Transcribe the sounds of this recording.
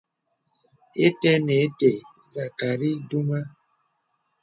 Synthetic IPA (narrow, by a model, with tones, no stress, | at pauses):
e˦tɛ˦ne˨˦te˨za˨ka˨ɾi˦du˦ma˦